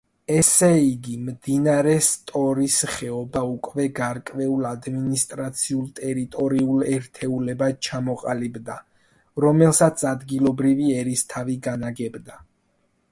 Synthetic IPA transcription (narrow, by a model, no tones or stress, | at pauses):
ɛsɛiɡimd̪inaɾɛst̪ʼɔɾisχɛɔbaukʼvɛɡaɾkʼvɛulad̪minist̪ʼɾat̪sʰiulˠt̪ʼɛɾit̪ʼɔɾiulɛɾt̪ʰɛulɛbat͡ʃʰamɔqʼalibd̪a | ɾɔmɛlˠsat̪sʰad̪ɡilɔbɾiviɛɾist̪ʰaviɡanaɡɛbd̪a